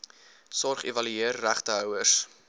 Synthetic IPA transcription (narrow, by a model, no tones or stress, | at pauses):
sɔrχevɐlyeərːæχtəɦœwərs